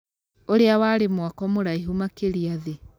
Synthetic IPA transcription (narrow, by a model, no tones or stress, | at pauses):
oɾeawaɾemwakɔmoɾaiɦumakeɾiaðe